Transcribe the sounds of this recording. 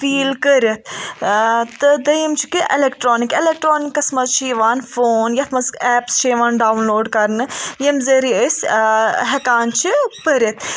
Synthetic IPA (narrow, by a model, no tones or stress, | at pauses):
fiːlkəɾɐt̪̚ʰ | t̪ːɨd̪ɐjimt͡ʃʰi̥kiʔelekʈɾoːnikelek̚ʈɾoːnikːɐsmɐzt͡ʃʰiːʋaːnfoːnjɐt̪ʰmɐzɛːpst͡ʃʰiːʋaːnɖaːwnloːɖkɐɾnɨjɐmzɐɾiəsʲɦɛkaːnt͡ʃʰipəɾɐt̪ʰ